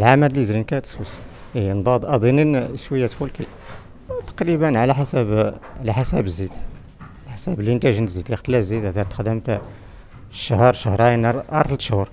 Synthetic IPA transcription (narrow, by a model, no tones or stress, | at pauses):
lʕaməllizlinkæt̪ə̥swəs | nd̪ˤɑd̪ˤʔɑd̪ˤininʃwəjːæt̪fulki | t̪ɑ̥qɾibənʕalæħasæbʕlæħasæbəzːit̪ | lħasæbələnt̪æʒənzit̪lixt̪læzːit̪æt̪ɑɾt̪ə̥xd̪əmt̪ | ʃəhəɾˤʃəhɾˤɑjnʔɑ̰ɾˤt̪ˤlt̪ʃhɾ